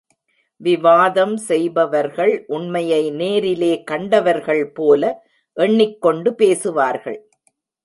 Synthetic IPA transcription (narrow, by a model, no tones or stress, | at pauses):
ʋɪʋaːðɐmsɛjbɐʋɐɾɣɐɭʔʊɳmɐjɐɪneːɾɪleːkɐɳɖɐʋɐɾɣɐɭpoːlɐ | ʔɛɳːɪkːɔɳɖɯpeːsɯʋaːɾɣɐ̰ɭ